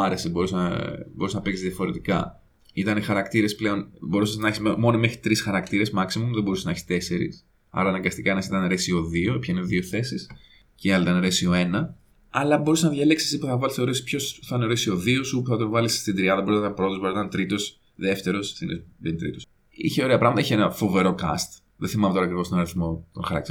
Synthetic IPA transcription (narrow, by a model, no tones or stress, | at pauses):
ɐɾesibo̞ɾusɐboɾusnɐpeksizðiɐfo̞ɾe̞t̪ikɐ | it̪ɐnexɐɾɐkt̪iɾe̞sple̞o̞nbo̞ɾusesnɐeçismo̞nome̞xɾit̪ɾisxɐɾɐkt̪iɾe̞zmɐksimumðebo̞ɾuseneçi̥st̪e̞se̞ɾḭs | ɐ̰ɾɐːnɐŋɡɐst̪ikɐenɐsit̪ɐnɾesio̞ðio̞pçɐineðioθe̞sis | ceɐlit̪ɐnɾesio̞e̞nɐ | ɐlɐbo̞ɾuseznɐðʝɐle̞ksi̥sipuθɐvɐlisθeoɾesi̥spço̞sθɐɐneɾesio̞ðiosupuθɐt̪onvɐlisst̪ind̪ɾiɐðɐboɾusnɐt̪ɐnpɾo̞t̪oboɾit̪ɐnt̪ɾit̪o̞s | ðe̞ft̪e̞ɾosθinebent̪ɾḭt̪os | ḭçeoɾeɐpɾɐɣmɐt̪ɐiçenɐfo̞ve̞ɾo̞kɐ̰st̪ | ðeθimɐmt̪oɾɐkɾivost̪onɐɾiθmo̞t̪o̰nxɐɾɐ̰k̚t̪i